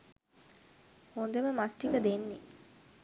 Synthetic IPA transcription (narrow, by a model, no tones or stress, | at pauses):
hond̪eməmasʈikəd̪enːi